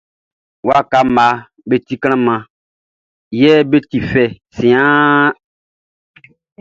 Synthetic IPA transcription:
wa˦˨ka˨ma˨˦ | be˨ti˦kɾ̃ã˦mã˨ | jɛ˦be˦ti˨fɛ˨ | sĩ˨ãː˦

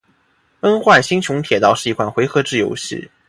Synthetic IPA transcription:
ə˥nxwa˥˩nɕi˥ŋt͡ɕʰʊ˧˥ŋt̪ʰjɛ˨˩t̪ɑ˥˧ʊʂɻ̩˥˩i˧˥kʰwa˥˩nxwe˧˥ɪxɤ˧˥ʈ͡ʂɻ̩˥˩jo˧˥ʊɕḭ˥˩

